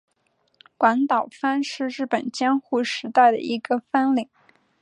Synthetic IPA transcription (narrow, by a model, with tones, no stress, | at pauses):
kwa˧˥nt̪ɑ˨˩ʊfa˥nʂɻ̩˥˧ɻɻ̩˥˩pə˨˩nt͡ɕjɛ˥nxu˥˩ʂɻ̩˧˥t̪a˥˩ɪd̪ə̰˩i˧˥ɡə˧fa˥nli˨˩˦ŋ